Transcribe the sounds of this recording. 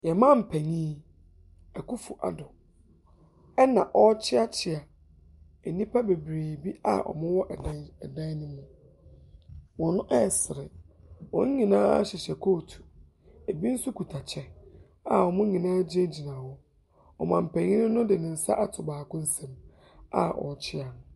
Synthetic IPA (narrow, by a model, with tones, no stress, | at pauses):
jɛ˨mã˦m̩˨pʰɛ̃˨ɲĩː˦ | ɛ˨ku˦fu˨ʔa̰˨dʊ˨ | ɛ˦nã˨ʔɔ˦t͡ɕʰɪ˦a˦t͡ɕʰɪ˨a˨ | ɛ˨nĩ˦pʰa˦be˨bɾeː˨bi˦a̰˨ʔɔ̰˨mʊ̃˦wɔ˦ʔdɛ˨dã˦nʊ̃˦mʊ̃˦˨ | wɔ̃˨nʊ̃˦ʔɛ˦˨sɪ˨ɾɪ˨ | wɔ̰̃˨ɲ̩˦ɲĩ˨nãː˦a̰˦ɕɪ˨ɕɛ˨kʰoː˦˨tʰu̥˨ | e˨bi˦n̩˦su˦kʰu˨tʰa˨t͡ɕʰɛ˦ | a˨ɔ˨mʊ̃˦ɲĩ˨nãː˦d͡ʑɪ˦ɛ̃˦d͡ʑi˨nã˨wɔ˦ | ɔ˨mã˨m̩˨pʰɛ̃˨ɲĩ˦nɪ̃˦nʊ̃˦dɪ˨nɪ̃˨n̩˨sa̰˦ʔa˦˨tʰʊ˨baː˨kʊ̃˦n̩˦sɛ̃˨m | a̰˦ʔɔ̰˨t͡ɕʰɪ˦a˨